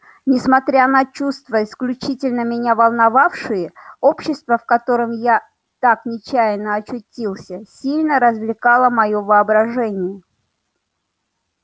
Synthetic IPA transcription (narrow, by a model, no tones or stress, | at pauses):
nʲɪsmɐt̪ɾʲanɐt͡ɕust̪vəɪsklʲʉt͡ɕitʲɪlʲnəmʲɪnʲavɐlˠnɐvafʂɨjəo̞pɕːɪst̪vəfkɐt̪o̞ɾɨmja | t̪aknʲɪt͡ɕæjɪnːəɐt͡ɕʊtʲilˠsʲəsʲilʲnəɾəzvlʲɪkalˠəmɐjovɨɐbɾɐʐɛnʲɪjə